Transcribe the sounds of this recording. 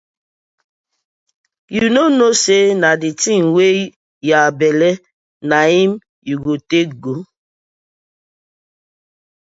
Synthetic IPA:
junonosenaditimwe | jabɛlɛ | naim | juɡotek̚ɡo

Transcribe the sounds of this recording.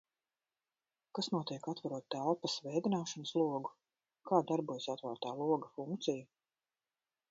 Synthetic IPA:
kasnuɔt̪iɛkat̪vaɾuɔt̪̚t̪ːælˠpɐsvɛjd̪inaːʃanəslˠuɔɡu | kaːd̪aɾbuɔjsat̪vaːɾt̪aːlˠuɔɡɐfuŋkt̪siju

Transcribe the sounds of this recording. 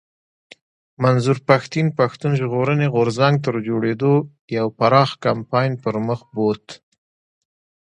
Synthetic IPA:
manzuɾpaxt̪inpaxt̪unʒɣoɾəneɣʊɾzaŋɡ̚t̪əɾd͡ʒoɽed̪o | jawpaɾɑxkampɑjnpəɾməxbot̪

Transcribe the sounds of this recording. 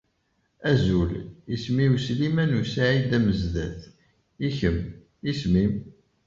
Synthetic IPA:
æzulismiuslimænusaʕid̪æməzðæθ | içəm | ismim

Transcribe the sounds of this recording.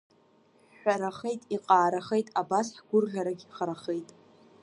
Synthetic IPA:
ħʷaɾaχejtʼiqʼaːɾaχe̞jtʼabasħɡ̥ʷʊrʒaɾaɡʲiχaɾaχejtʼ

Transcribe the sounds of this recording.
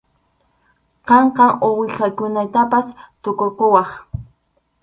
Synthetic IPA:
qɑɴqɑowɪkakʊnat̪apast̪ʊkokʊwɑχ

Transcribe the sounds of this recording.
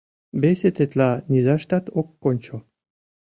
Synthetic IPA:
beset̪et̪lɑnʲizɑʃt̪ɑt̪okːonʲt͡ɕo

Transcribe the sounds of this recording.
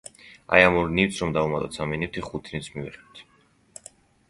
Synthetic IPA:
a̰jamuɾniwt̪sʰɾɔmd̪aumat̪ʼɔt̪saminift̪ʰiχut̪ʰnit̪sʰmivɛ̰χɛt̪ʰ

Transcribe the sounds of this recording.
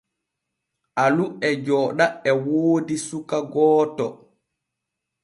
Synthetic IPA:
ʔaluɛd͡ʒɔːɗaɛwoːdisukaɡɔːtɔ

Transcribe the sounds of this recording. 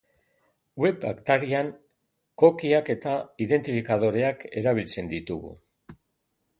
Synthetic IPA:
we̞pa̰kt̪aɾiaŋ | ko̞kiake̞t̪aiðe̞nt̪ifikað̞o̞ɾe̞ake̞ɾaβ̞ilt͡se̞nd̪it̪uɣṵ

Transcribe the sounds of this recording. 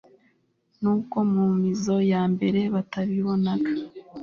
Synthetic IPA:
nuːko̞mumizo̞jaːmbe̞ɾe̞βataβiβo̞nakḁ

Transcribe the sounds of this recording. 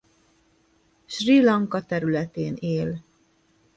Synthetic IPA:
ʃrilɒŋkɒt̪ɛɾylɛt̪eːneːl

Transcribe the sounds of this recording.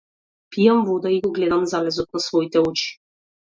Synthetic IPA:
pijamvɔd̪aiɡɔɡlɛd̪amzalɛzɔt̪̚nasvɔit̪ɛɔt͡ʃi̥

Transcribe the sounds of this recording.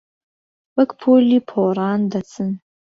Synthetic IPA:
wɐkpʰulipʰoːɾaːndat͡sʰɨn

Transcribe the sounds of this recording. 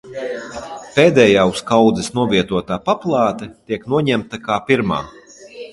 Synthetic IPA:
peːd̪ɛːjaːuskawd̪zɛsnuɔvʲiɛt̪uɔt̪aːpaplˠaːt̪ɛt̪iɛknuɔɲæmt̪akaːpiɾma̰ː

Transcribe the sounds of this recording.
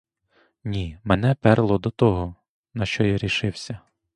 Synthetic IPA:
nʲimenɛpɛɾlˠɔd̪ɔt̪ɔɦɔ | nɐʃt͡ʃɔjaɾʲiʃɪwsʲɐ

